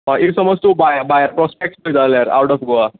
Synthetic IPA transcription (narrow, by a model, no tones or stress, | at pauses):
aʔiʈsəmɔd͡zt̪ubajəbajəɾpɾɔspek̚ʈsbəd͡zaljaɾa̰wʈɔfɡoa